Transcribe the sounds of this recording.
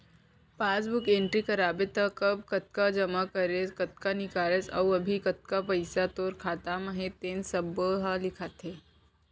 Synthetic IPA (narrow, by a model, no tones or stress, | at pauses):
pãt͡sbukẽɳʈɾikəɾabet̪əkəb̚kət̪̚kad͡ʒəmakəɾet͡skət̪̚kanikaɾet͡sɐ̰wəbʱikət̪̚kapəjsat̪oɾkʰat̪aməɦet̪ensəbəɦalikʰat̪ʰe